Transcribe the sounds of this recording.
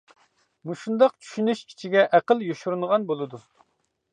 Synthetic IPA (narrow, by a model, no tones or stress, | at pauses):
muʃund̪ɑqt͡ʃʰy̥ʃynyʃkʲʰi̥t͡ʃʰiɡʲɛʔæqəlˠjoʃuɾunʁɑnbolˠɨd̪u